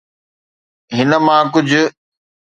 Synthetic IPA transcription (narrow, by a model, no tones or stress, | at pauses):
ɦɪnə̆mãːk̬ʊd͡ʑʱʊ̆